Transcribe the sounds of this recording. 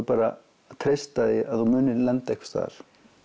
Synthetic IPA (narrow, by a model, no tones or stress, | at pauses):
paːɾa | t̪ʰɾejst̪aðɪaðθumʏːnɪlɛnt̪aɛhkst̪θa̰ɾ̥